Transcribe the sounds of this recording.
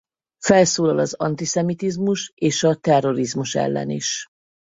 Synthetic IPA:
fɛlsoːlɒlɒzɒnt̪isɛmit̪izmuʃeːʃɒt̪ɛrːo̞ɾizmuʃɛ̰lːɛ̰nḭʃ

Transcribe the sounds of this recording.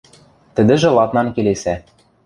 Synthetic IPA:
t̪ɘ̆d̪ɘ̆ʒɘ̆lˠɑt̪nɑnkelesæ

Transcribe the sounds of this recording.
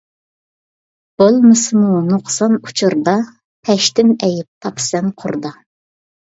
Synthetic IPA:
b̥olˠmɨsɨmunuqʰsɑnu̥t͡ʃʰuɾd̪ɑ | pʰɛʃt̪ɪmɛjɪp̚t̪ʰɑpʰsɛnqʰʊɾd̪ɑ

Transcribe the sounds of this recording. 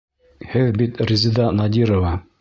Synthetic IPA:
hɘðbit̪rʲizʲid̪ɑnɑd̪ʲiɾovɑ

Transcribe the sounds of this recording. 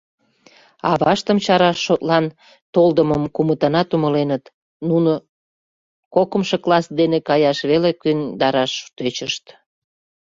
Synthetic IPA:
ɑ̰βɑʃt̪əmt͡ɕɑɾɑʃːot̪lɑn | t̪old̪əməmkumət̪ɑnɑt̪uməlenət̪ | nuno | kokəmʃoklɑsd̪enekɑjɑʃβelekynd̪ɑɾɑʃut̪øt͡ɕəʃt̪

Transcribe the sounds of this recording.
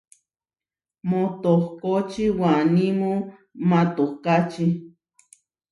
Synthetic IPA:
mõt̪ohkot͡ʃiwanĩmũ | mãt̪ohkat͡ʃi

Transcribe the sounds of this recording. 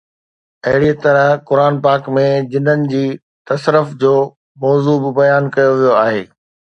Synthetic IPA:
ɐɦɪɽit̪ɐɾəɦkʊɾaːnpaːkmẽd͡ʑɪnənɪ̆d͡ʑiː | t̪ɐsɾəfd͡ʑoː | mɔːzuːbɪbɐjaːnkɐjoʋijoaːɦeː

